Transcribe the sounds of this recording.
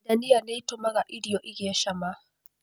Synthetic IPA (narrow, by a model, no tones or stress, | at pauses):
danijaneitɔmaɡaʔiɽijɔʔiɡɛʃama